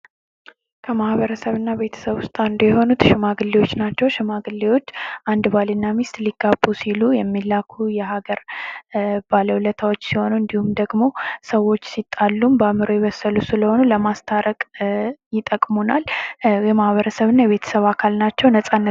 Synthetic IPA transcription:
kʰəmahβəɾəsəβɨnːaβe̞t̪ʰə̥səβʊst̪ʼand̪ujɛɦo̞nut̪ʃɪmaɡɨlːewo̞t͡ʃːnat͡ʃːɛwʃɪmaɡɨlːewo̞t͡ʃːʔand̪balinːamist̪liɡabːusilujɛmːilːakʰujɛɦaɡəɾ | b̥aləwlət̪ʰawot͡ʃːsiho̞nuɨnd̪ihumd̪əɡmo̞səwo̞t͡ʃːsit̪ʼːalːumbamɨɾojɛβəsːəlusɨləho̞nuləmast̪ʰaɾəkʼjɪt̪ʼəkʼmonaljɛmahβəɾəsəβɨnːajɛβe̞t̪ʰə̥səβakʰalnat͡ʃːɛwnəsʼanːə

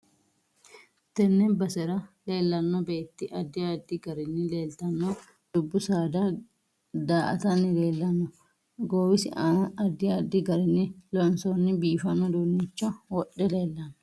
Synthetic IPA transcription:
t̪ɛnːɛnbɐsɛɾɐle̞ːlːɐnːɔbe̞ːt̪ːɪʔɐd̪ːɪd̪ːɪɡɐɾɪnːɪle̞ːlt̪ɐnːɔ | d̪̥ʊbːʊsaːd̪ɐ | d̪aːʔɐ̰t̪ɐnːɪle̞ːlːɐnːɔ | ɡoːwɪsɪaɐd̪ːɪɐd̪ːɪɡɐɾɪnːɪlɔnsonːɪbiːfɐnːɔd̪uːnːɪt͡ʃːɔwɔɗːɛleːlːɐnːɔ

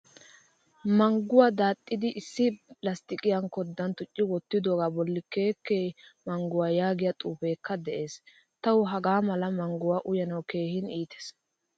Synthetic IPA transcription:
mɐŋɡʊwaːd̪aːt̪ʼːɪd̪ɪʔɪsːɪlɐst̪ɪkʼɪjɐnkɔd̪ːɐnt̪ʊt͡ʃʼːɪwɔt̪ːɪd̪oːɡaːbɔlːɪke̞ːkːeːmɐŋɡʊwaːjaːɡɪjɐt̪ʼuːfe̞ːkːɐd̪ɛʔe̞ːs | t̪ɐwʊɦɐɡaːmɐlɐmɐŋɡʊwaːʔʊjɐnɐwke̞ːhɪniːt̪e̥s

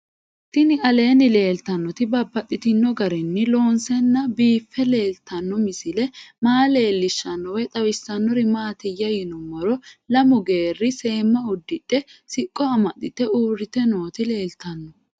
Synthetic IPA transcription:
t̪ɪnɪʔɐle̞ːnɪle̞ːlt̪ɐnːɔt̪ɪbɐbːɐt̪ʼːɪt̪ɪnːɔɡɐɾɛnːɪlo̞ːnsɛnːɐbiːfːɛle̞ːlt̪ɐnːɔmɪsɪlɛmaːle̞ːlːɪʃːɐnːɔwɛt̪ʼɐwɪsːɐnːɔɾɪmaːt̪ɪjːɐjɪnɔmɔɾɔlɐmʊɡe̞ːrːɪse̞ːmːɐʊd̪ːɪᶑɛsɪkʼːɔɐmɐt̪ːɪt̪ɛuːɾɪt̪ɛno̞ːt̪ɪle̞ːlt̪ɐnːɔ

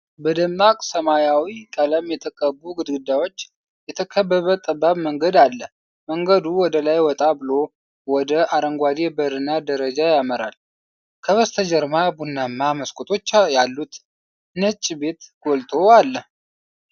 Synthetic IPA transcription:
bəd̪əmnakʼsəmajawikʼələmjɛt̪ʰəkʼəbuɡɨd̪ɡɨd̪ːawo̞t͡ʃː | jɛt̪ʰəkʰəbːəβət̪ʼəbːaβməŋɡəd̪alːə | məŋɡəd̪uwɔd̪əlajwɔt̪ʼabɨlo̞ | wɔd̪əaɾəŋɡʷad̪ebəɾɨnad̪əɾəd͡ʒajaməɾa̰l | kʰəβəst̪ʰəd͡ʒəɾmabunːamːaməskʼut̪ʼo̞t͡ʃːjalːut̪ | nət͡ʃʼːibe̞t̪ɡ̥olt̪ʰo̞alːəh

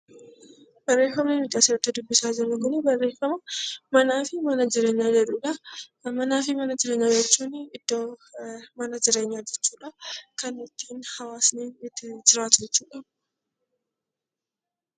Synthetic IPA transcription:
b̥ɐrːe̞ːfɐmnɛmɪᶑaːsɪɾɐt̪ːɪd̪ʊbːɪsaːd͡ʒɪnɐɡʊnɛbɐrːe̞ːfɐmɐmɐnaːfɪmɐnɐd͡ʒɪɾe̞ːɲːaːd͡ʒɛᶑuːᶑɐmɐnaːfɪmɐnɐd͡ʒɪɾe̞ːɲːaːd͡ʒɛt͡ʃːuːnɪd̪̥ːoːmɐnɐd͡ʒɪɾe̞ːɲːaːd͡ʒɛt͡ʃːuːᶑɐkɐnɪt̪ːiːnhɐwaːsniːɪt̪ːɪd͡ʒɪɾaːt̪ʊd͡ʒɛt͡ʃːuːᶑɐ̥

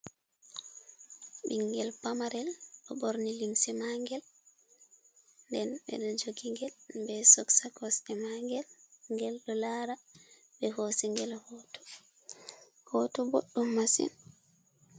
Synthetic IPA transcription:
ɓiŋɡɛlpamaɾɛlɗɔɓoɾniliŋsɛmaŋɡɛl | ndɛnɓɛ̰ɗɔd͡ʒoɡiŋɡɛlbɛsɔksakɔsɛmaŋɡɛlŋɡɛlɗɔlaɾa | ɓɛhosiŋɡɛlhɔːtɔ̥ | hɔtɔboɗːumːasḭn

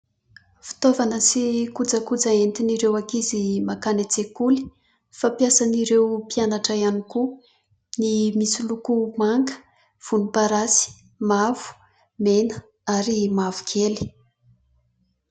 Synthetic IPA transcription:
fi̥t̪ovanəsikud͡zəkud͡zaent̪iniɾewakizimakanet͡sekuli̥ | fapjasaniɾewpianaʈ͡ʂəjaniku | nimisilukumaŋɡə̥ | v̥unipaɾasi̥ | mav̥u̥ | menə | aɾimavu̥kʰeli̥

